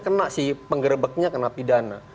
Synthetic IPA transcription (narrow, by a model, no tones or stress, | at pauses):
kənaʔsɪhpəŋɡərbək̚ɲakənaʔpidana